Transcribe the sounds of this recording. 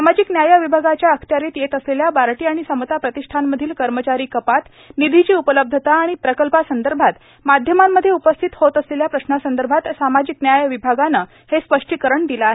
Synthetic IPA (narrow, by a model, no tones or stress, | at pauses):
samad͡ʑiknjajəʋibʱaɡat͡ɕjaəkʰt̪jaɾiːt̪jet̪əsleljabaɾʈiːaɽ̃isəmət̪apɾət̪iʂʈʰanməd̪ʱiːlkəɾmət͡ɕaɾiːkəpat̪ | nid̪ʱit͡ɕiːupələb̚d̪ʱət̪aːɽ̃ipɾəkəlpasənd̪əɾbʱat̪ | mad̪ʱjəmamːəd̪ʱːjeupəst̪ʰit̪hot̪əsleljapɾəsnasənd̪əɾbʱat̪samad͡ʑiknjajəʋibʱaɡanəː | hespəʂʈikəɾəɳd̪ilae